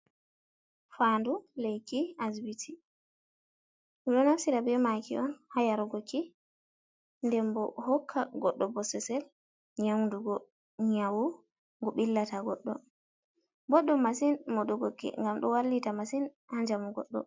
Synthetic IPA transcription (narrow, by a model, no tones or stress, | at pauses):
fandulejkiazbitʰi | miɗɔnafsiɾabɛmakiʔɔnhajaɾuɡokʰːi | ndɛmbɔhɔkʰːaɡɔɗːɔbɔsɛsɛl | ɲawnduɡɔ | ɲawu | ŋɡɔɓilːataɡɔɗːɔ̰ | bɔɗːɔmasinmɔɗɔɡokːḭŋɡamɗɔwalːitamasin | haɲd͡ʒamɔɡɔ̰ɗːɔ̰